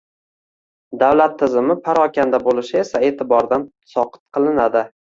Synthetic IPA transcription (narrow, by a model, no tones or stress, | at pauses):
d̪awlat̪ʰːɪzɪmɪpʰaɾɒkʲand̪abolɪʃɪe̞sae̞ːt̪ʰɪbɒɾd̪an | sɒqɨ̥t̪̚qʰɨlˠɪnad̪ɪ